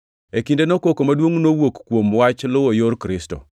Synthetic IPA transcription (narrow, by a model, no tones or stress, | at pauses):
ekindenokokomadwoŋnowokːwomwat͡ʃlʊwojoɾkɾɪstɔ̰